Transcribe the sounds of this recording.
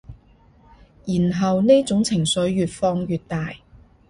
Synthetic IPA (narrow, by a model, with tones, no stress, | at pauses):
jiː˨˩nɦɐ˨wne˥t͡sʊ˨˥ŋt͡sʰɪ˨˩ŋsɵ˨˥ɥːyː˨˧t̚fɔː˧ŋjyː˨t̚t̪aː˨j